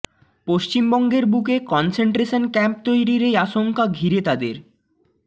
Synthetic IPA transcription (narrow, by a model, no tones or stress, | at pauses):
poʃt͡ɕimbɔŋɡeɾbukekɔnseɳʈɾeʃonkɛmp̚t̪ojɾiɾejaʃoŋkaɡʱiɾet̪ad̪eɾ